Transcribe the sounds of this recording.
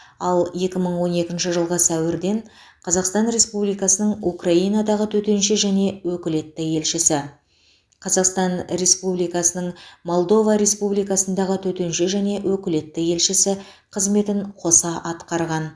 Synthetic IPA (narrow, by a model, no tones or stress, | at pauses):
ɑlˠje̞kʲɪməɴwo̞ne̞kʲɪnʃɪʒəlˠʁəsæwɪɾd̪e̞ɴ | qʰɑzɑqst̪ɑnɾe̞spublijkɑsənəɴukrɑijnɑd̪ɑʁət̪ʰɵt̪e̞nʃɪʒæne̞wɵkʲɪle̞t̪ːɪje̞lʃɪsɪ | qʰɑzɑqst̪ɑnɾe̞spublijkɑsənəɴmo̞lˠd̪o̞vɑɾe̞spublijkɑsənd̪ɑʁət̪ʰɵt̪e̞nʃɪʒæne̞wɵkʲɪle̞t̪ːɪje̞lʃɪsɪ | qʰəzme̞t̪ɪɴqʰo̞sɑʔɑt̪qɑɾʁɑn